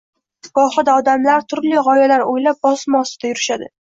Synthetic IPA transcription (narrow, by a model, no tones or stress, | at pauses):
ɡɒχɨd̪aɒd̪amlaɾt̪ʰʊɾlɪʁɒjalaɾojlap̚bɒsmɒsɪd̪̥ajʊɾɪʃad̪ɪ